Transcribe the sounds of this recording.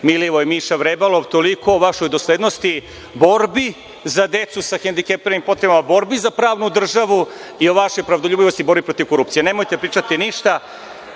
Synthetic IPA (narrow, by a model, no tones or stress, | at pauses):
miliʋojemiʃaʋɾebaloʋt̪o̞liko̞ːʋaʃo̞jd̪o̞sled̪nost̪i | bo̞ɾbi | zad̪e̞t̪susaxend̪ikepeɾnimpo̞t̪ɾebamabo̞ɾbizapɾaːʋnud̪r̩ʒaʋuio̞ʋaʃo̞jpɾaʋd̪oʎʲuːbiʋo̞st̪ibo̞ɾbipɾo̞t̪iʋko̞ɾup̚t̪ijene̞mojt̪e̞pɾiːt͡ʃat̪iniʃt̪a